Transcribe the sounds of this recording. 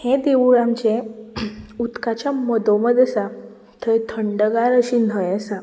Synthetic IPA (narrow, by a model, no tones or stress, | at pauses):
hẽd̪eʋuɭãmt͡ɕẽ | ut̪kat͡ɕjamɔd̪õməd̪ʱəsa | t̪ʰəjt̪ʰəɳɖəɡaɾəɕinəjɛsa